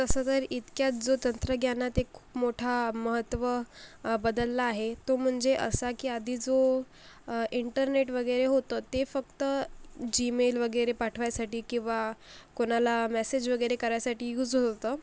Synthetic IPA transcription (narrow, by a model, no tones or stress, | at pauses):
t̪əsət̪əɾit̪kjat͡sd͡zot̪ənt̪ɾəɡʱjanat̪ekʰːu̥ːpmoʈʰaməɦət̪ːʋəbəd̪əlːaːɦet̪om̤əɳd͡zeʔə̰sakiːad̪ʱiːd͡zo | iɳʈəɾneʈʋəɡəjɾeɦot̪ət̪efəkt̪əd͡ʑimelʋəɡəjɾepaʈʰʋajasaʈiːkĩw̃ʋakoñalamɛsed͡ʑʋəɡəjɾekəɾajasaʈiːjuːd͡zɦot̪ə